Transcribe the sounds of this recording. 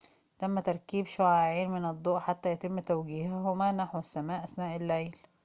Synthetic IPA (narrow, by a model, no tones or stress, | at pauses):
t̪æmːæt̪ɑɾˤkiːbʃoʕaʕiːnmɪnɑd̪ˤːoːʔħat̪ːæjæt̪ɪmːt̪æwɡiːhɦomænaħusːæmæːʔæsnæːʔɪlːejl